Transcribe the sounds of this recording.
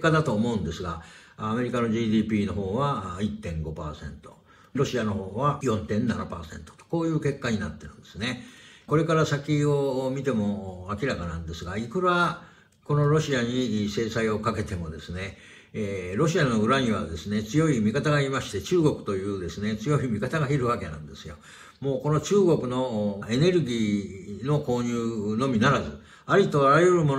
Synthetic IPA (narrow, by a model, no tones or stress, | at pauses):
kad̪at̪o̞ːmo̞ɯ̟̃nd̪e̞sɨɡaː | me̞ɾʲikano̞ʑiːd̪iːpʲiːno̞ɦo̞ːβait̪ːẽ̞ŋɡo̞pa̰ːsẽ̞̰nt̪o̞̰ | ɾo̞ɕiano̞ɦo̞ːβajõ̞nt̪ẽ̞nːanapa̰ːsẽ̞̰nt̪o̥t̪o̥koːjɯ̟ːke̞kːaɲ̟inat̪ːe̞ɾɯ̟̃nd̪e̞sɨne̞ko̞ɾe̞kaɾasakʲio̞mʲit̪e̞mo̞akʲiɾakanãnd̪e̞sɨɡaikɯ̟ɾa | ko̞no̞ɾo̞ɕiaɲ̟ise̞ːsaio̞kake̞t̪e̞mo̞d̪e̞sɨne̞ | ɾo̞ɕiano̞ɯ̟ɾaɲ̟iβ̞a̰d̪e̞sɨne̞t͡sɨjo̞imʲikat̪aɡaimaɕi̥t̪e̞t͡ɕɨːɡo̞kɯ̟̥t̪o̞jɯ̟ːd̪e̞sɨne̞t͡sɨjo̞imʲikat̪aɡaiɾɯ̟βake̞nã̰nd̪e̞sɨjo̞̰ | mo̞ːko̞no̞t͡ɕɨːɡo̞kɯ̟no̞e̞ne̞ɾɯ̟ɡʲiːno̞ko̞ːɲɨːno̞mʲinaɾazɨ | aɾʲit̪o̞aɾajɯ̟ɾɯ̟mo̞n